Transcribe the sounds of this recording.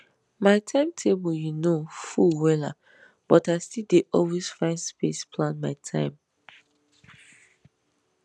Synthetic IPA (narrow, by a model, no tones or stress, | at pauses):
maɪtʰãɪ̃mtʰeboljunofuwɛla̰ | b̥ɔtaɪstildeʔɔlwesfãɪ̃ndspespʰlãnmaɪtʰãɪ̃m